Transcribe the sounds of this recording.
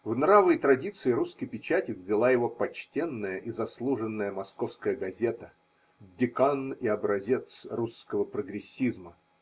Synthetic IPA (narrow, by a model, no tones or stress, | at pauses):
vnɾavɨjt̪ɾɐdʲit̪sɨɪɾuskəjpʲɪt͡ɕætʲɪvʲːɪlˠajɪvo̞pɐt͡ɕtʲenːəjəʔizɐslˠuʐɨnːəjəmɐsko̞fskəjəɡɐzʲe̞t̪ə | dʲɪkanɪɐbɾɐzʲe̞t̪sruskəvəpɾəɡɾʲɪsʲːizmə